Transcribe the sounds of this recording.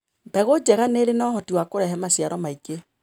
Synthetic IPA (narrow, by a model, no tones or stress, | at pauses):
bɛɣod͡ʒɛɣaneɾenɔhɔtiwakoɾɛɦɛmasjaɾɔmaiɡe